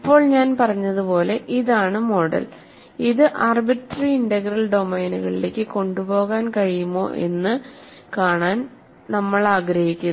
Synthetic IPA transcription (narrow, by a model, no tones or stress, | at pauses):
ipːo̞ːɭɲaːnpɐrɐɲːɐðupo̞ːle̞ʔiðaːɳɨmo̞ɽɐ̰l | iðɨʔaːrbiʈːriiɳɖɐɡrɐlɖo̞mɐjnuɣɐɭile̞ːkʲːɨko̞ɳɖupo̞ːɣaːnkɐɻijumo̞ːʔe̞̰nːɨ | kaːɳaːn | nɐmːɐɭaːɡɾɐhikʲːun